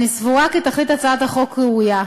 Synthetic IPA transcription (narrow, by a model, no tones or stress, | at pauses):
nisvuakit̪aχlit̪at͡saad̪aχo̞kʁɛuja